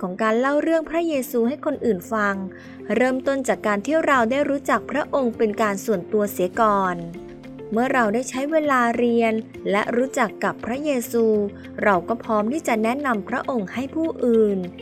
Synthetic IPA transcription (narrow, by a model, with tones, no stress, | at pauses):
kʰɔː˩˦ŋkaː˧nla˥˩wɾɯ˥˩əŋpʰɾa˦˥jeː˧suː˧ha˥˩jkʰo˧nʔɯː˨˩nfa˧ŋ | ɾɤː˥˩mt̪o˥˩nt͡ɕaː˨˩kːaː˧nt̪ʰi˥˩ɾa˧wdaː˥˩jɾuː˦˥t͡ɕa˨˩k̚pʰɾa˦˥ʔo˧ŋpe˧nkaː˧nsu˨˩ənt̪u˧ɐsi˨˩˦kɔː˨˩n | mɯ˥˩ɐɾa˧wdaː˥˩jt͡ɕʰa˦˥jweː˧laː˧ɾi˧ən | lɛ̰˦˥ʔɾuː˦˥t͡ɕa˨˩kːa˨˩pʰːɾa˦˥jeː˧suː˧ | ɾa˧wkɔː˥˩pʰɔː˦˥mt̪ʰiː˥˩t͡ɕa˨˩nɛ˦˥na˧mpʰɾa˦˥ʔo˧ŋha˥˩jpʰuː˥˩ʔɯː˨˩n